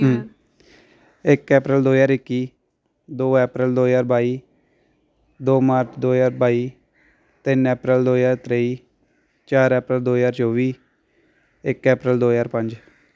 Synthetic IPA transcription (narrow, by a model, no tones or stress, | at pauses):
ɪkːɛːpɾəld̪oːjaːɾɪkːiː | d̪oːɛːpɾəld̪oːjaːɾbaːiː | d̪oːmaːɾt͡ʃʰd̪oːjaːɾbaːiː | t̪ɪnɛːpɾəld̪oːjaːɾt̪ɾeiː | t͡ʃaːɾɛːpɾəld̪oːjaːɾt͡ʃoːʋiː | ɪkːɛːpɾəld̪oːjaːɾpə̃ɲd͡ʒ